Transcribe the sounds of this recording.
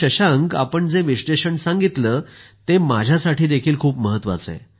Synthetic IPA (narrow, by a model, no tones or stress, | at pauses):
əɕaəŋɡa̰pəɳd͡zeʋiʂʈeɕəɳsãŋɡit̪ləːt̪emad͡ʑʱjasaʈʰiːd̪ekʰiːlkʰuːpməɦət̪ːʋa̰t͡sḛ